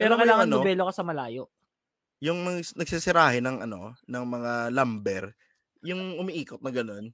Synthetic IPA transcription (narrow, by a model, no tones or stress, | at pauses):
pɛːɾokɐjlaːŋɐnobɛːlokɐsɐmɐlaːjo̞ʔ | jʊŋnɐnɐɡsisɪɾaːhɪnɐŋʔɐno̞̰nɐŋmɐŋalɐmbɛɾ | jʊŋʔʊmiʔiːkot̪̚nɐɡɐno̞n